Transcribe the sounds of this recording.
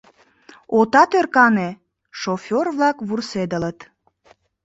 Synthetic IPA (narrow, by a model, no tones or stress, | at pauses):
ot̪ɑt̪ørkɑne | ʃofʲorβlɑkβursed̪ələt̪